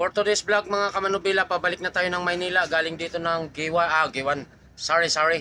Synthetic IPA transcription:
poɾt̪od̪ɛsblaɡ̚mɐŋakɐmɐnʊbilapɐbɐlɪk̚nɐt̪aːjo̞nɐŋmɐjniːlɐɡaːlɪŋd̪iːt̪o̞nɐŋɡiwaʔaɡɪwan | saɹisaɹɪ

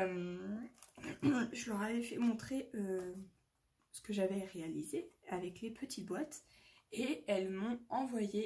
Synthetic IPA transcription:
m | ʒəlœʁavɛfɛmɔ̃t̪χeø | sə̥kəʒavɛʁealizeavɛklepʰət̪ʰit̪̚bwat̪eɛlmɔ̃ɑ̃vwaje

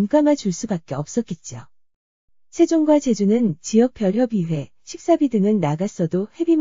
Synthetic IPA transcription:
mk͈amat͡ɕuɭs͈ubak̚k͈e̞ʌp̚s͈ʌt̚k͈et̚t͡ɕ͈io | sʰe̞d͡ʑoŋɡwat͡ɕe̞d͡ʑunɯnt͡ɕiʌk̚p͈ʰjʌɭjʌbiwe̞ | ɕʰik̚s͈abidɯŋɯnːaɡas͈ʌdohe̞bim

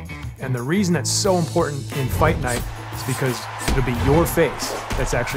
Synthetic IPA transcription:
ɨ̃nðɨɹizn̩ðɨtsoʊə̃mpʰɔɹʔn̩tɪ̃nfaɪtⁿnaɪɾ | ɨzbɨkʰʌz | ɨɾl̩ˠbijə˞feɪsðɨtsæk̚t͡ʃʉ

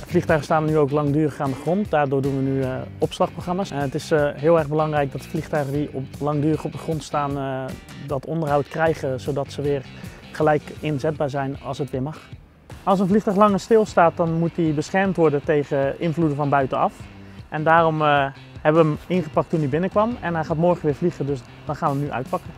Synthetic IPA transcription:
flixtœɥχəstaːnnyowklɑŋdyːrəχaːndəχrontdaːdʊːɹdunʋənyɔpslɑxproxrɑmaːsɛnətɪsɦɪːlˠɛrɣbəlɑŋrɛjk̚dɔtəflixtœɥχədiɔlɑŋdyːrəχɔp̚dəχrontstaːn | dɔtʰɔndərɦɑwtkrɛjχəzowdɑtsəʋɪːər | χəlɛjkɪnzɛt̚baːɹzɛjnɑlˠsətʋɪːɹmɑx | ɑlˠsənflixtœɥxlɑŋəstɪlˠstaːt̚dɔnmut̚dibəsχɛɹmtʋɔɹdətejɣəʔɪnvludəfɔnbœɥtəɑ̰f | ʔɛndaːrom | hɛbəʋəəmɪnχəpɑk̚tːundibɪnəkʋɑmɛnɦɛjχaːtmɔɹχənʋɪːɹfliɣədøs | d̥ɔnχaːnʋəmnyʔœ̰ɥt̚pɑkə

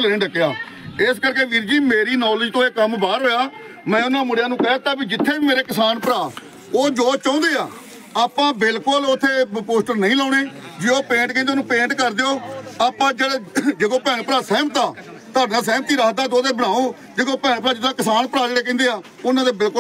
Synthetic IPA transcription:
leːẽːɖəkjaː | ɪskəɾkeːʋiːɾd͡ʒiːmeːɾiːnɔːlɪd͡ʒt̪õːeːkəmbaːɾɦoːjaːmɛ̃ːʊnãːmʊɽɪjaːnũːkɛt̪aːbiːd͡ʒɪt̪ʰːeːbiːmeːɾeːkɪsaːnpəɾaː | oːd͡ʒoːt͡ʃɔ̃ːnd̪eːaː | aːpãːbɪlkəlʊt̪ʰːeːpoːsʈəɾnəĩːlɔːɽ̃eːd͡ʒeːoːpẽːɳʈkẽːnd̪eːnũːpẽːɳʈkəɾd̪eːoːaːpːãːd͡ʒeːɽeːd͡ʒekõːpɛːnːpəɾaːsɛ̃ːmət̪aː | t̪aːnãːs̬ɛ̃ːmt̪iːɾaːkd̪aːt̪oːd̪eːbəɽaːoː | d͡ʒeɡõːpɛ̃ːnpəɾaːd͡ʒɪt̪ːãːkɪsaːnpəɾaːd͡ʒeːɽeːk̬ẽːnd̪eːaː | ʊnãːd̪eːbɪlk

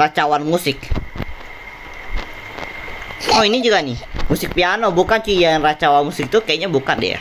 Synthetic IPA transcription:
at͡ʃawanmusɪk̚ | ɔinid͡ʒuɡanɪmusɪk̚pianobukant͡ʃijanrat͡ʃawanmusɪk̚t̪ukajaʔɲabukandḭa̰

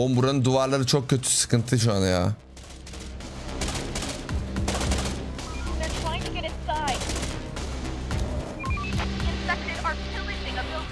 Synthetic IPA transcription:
ombuɾanɯd̪uaɾlˠaɾɯt͡ʃʰo̞k̚cʰːø̞t̪ʰy̥sɯ̥kʰɯnt̪ʰɯʃ̬uanaja̰ː | ðə˞tʰɹ̥ajɪ̃ŋtʰɨɡɛɾɨ̃nsaɪd | iɪ̃nfɛk̚tɪɾɑɹpʰuɹlˠibɪ̃ŋəbɪlˠ

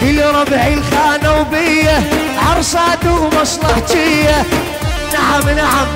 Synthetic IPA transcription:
iliɾˤɑbʕilxaːnawbɪjːa | ʕɑɾˤsaːd̪uʔmɑsˤlɑħt̪ɪjːa | t̪aʕamnaʕam

